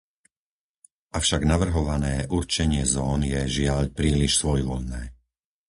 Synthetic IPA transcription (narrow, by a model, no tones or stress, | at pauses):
ʔafʃaɡnaʋr̩ɦɔʋanɛːʔuɾt͡ʃɛɲɪɛzɔːnjɛʒɪaʎpɾiːliʃsʋɔjʋɔʎnɛː